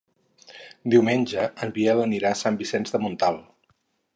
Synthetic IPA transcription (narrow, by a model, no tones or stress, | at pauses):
d̪iwmenʲd͡ʒəəmbieləniɾasambisɛnzðəmunt̪alˠ